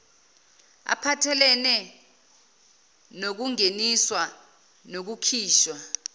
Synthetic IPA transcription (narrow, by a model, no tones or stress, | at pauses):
a̰pʰatʰɛlɛnɛ | nok̬uŋeniswa | nok̬ukʰiːʃwa